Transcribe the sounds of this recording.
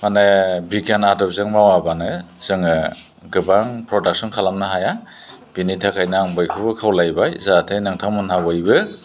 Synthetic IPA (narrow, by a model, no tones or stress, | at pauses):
manɯbikanadɔp̚zɯŋmawabanɯz̥ɯŋɯ | ɡɯbaŋpʰɾɔdak̚sɔnkʰalamnɯɦaja | b̥initʰakʰajnaŋbɯjkʰɯwbɯkʰawlajbajzatʰenɯŋtʰamɯnhawɯjbɯ